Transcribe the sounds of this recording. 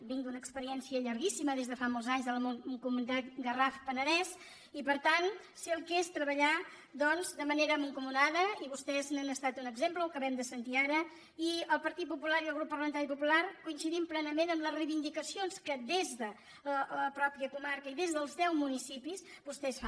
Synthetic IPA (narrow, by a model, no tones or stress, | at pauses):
bind̪unəkspəɾiɛnsiəʎəɾɣisiməðezðəfamolˠzaɲzðələmunŋkumunit̪at̪̚ɡərafpənəðɛs | ipəɾt̪an | siəlˠkest̪ɾəβəʎa | d̪ɔnzd̪əməneɾəməŋkumuðaðəiβust̪ɛznənəst̪at̪unəɡzempləlkəβɛmd̪əsənt̪iaɾə | iəlˠpəɾt̪it̪̚pupulaɾiəlˠɣ̞ɾupːəɾrləmənt̪aɾipupulaɾkuinsiðimplɛnəmenənləzrəjβind̪ikəsionskəd̪ezðə | ələpɾɔpɾiəkumaɾkəiðezðəlˠzðɛwmunisipisbust̪ɛsfa